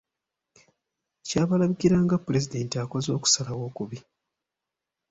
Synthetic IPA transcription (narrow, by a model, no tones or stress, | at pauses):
caːβalaβikiɾaːŋɡapːuɾe̞zide̞ːntiako̞zo̞ːku̥salawo̞ːkuβi